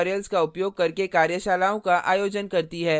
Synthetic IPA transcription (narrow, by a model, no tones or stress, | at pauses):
ɾelzkaʊpjoːɡ̚kɐɾkekaːɾjəʃaːlaːõkaʔa̰ːjoːd͡ʒənkɐɾt̪iɦɛː